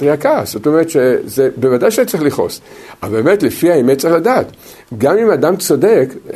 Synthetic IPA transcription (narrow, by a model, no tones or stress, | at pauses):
tʁiakaz̥o̞to̞meʁet̪ʃezebevadajʃeet͡sʁiχliχo̞̰sabe̞ːmetlefiaimett͡saʁiχladaːt̪ | ɡamimadamt͡so̞dek